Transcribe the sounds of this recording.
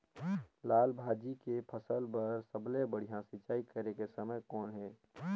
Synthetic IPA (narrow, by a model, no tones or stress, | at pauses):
laːlbʱaːd͡ʒikepʰəsəlpəɾsəblebəɽ̤ijãsɪt͡ʃaːikəɾekesəməjkɔːnɦɛː